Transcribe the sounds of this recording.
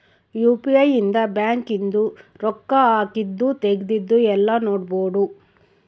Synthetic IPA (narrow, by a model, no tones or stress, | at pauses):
juːpiɐjind̪ɐbjaːŋkind̪uɾɔkːɐaːkid̪ːut̪eɡid̪id̪ːuɛlːɐnoːɖboːɖ̪u